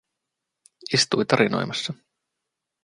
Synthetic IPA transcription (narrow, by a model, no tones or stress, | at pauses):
ist̪ujt̪ɑɾino̞̰jmɑsːɑ